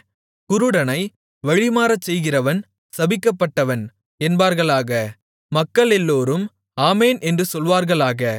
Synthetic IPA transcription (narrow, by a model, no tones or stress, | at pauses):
kʊɾɯɽɐnɐɪ | ʋɐɻɪmaːɾɐt͡ʃsɛjɣɪrɐʋɐn | sɐbɪkːɐpːɐʈːɐʋɐn | ɛnbaːɾɣɐɭaːɣɐ | mɐkːɐɭɛlːoːɾɯm | aːmeːnʔɛndrɯsɔlʋaːɾɣɐɭaːɣɐ